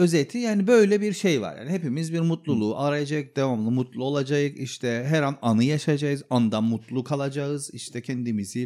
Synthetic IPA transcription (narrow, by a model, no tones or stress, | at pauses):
ø̞zet̪ʰijaːnibø̞jlʲɛbiɾʃejva̰ɾja̰ːniɦepimizbiɾmut̪lˠulˠuʔaɾajad͡ʒaɯk̚d̪̥evamlˠɯmut̪lˠuo̞lˠad͡ʒajɯkiʃt̪ʰɛɦɛɾananɯjaʃad͡ʒajɯzand̪amut̪lˠukʰalˠad͡ʒaɯziʃt̪ʰɛcʰɛnd̪imizi